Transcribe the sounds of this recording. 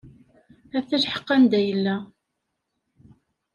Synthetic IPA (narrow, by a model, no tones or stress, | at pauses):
æθæʃħə̥qːɑnd̪æjəlːæ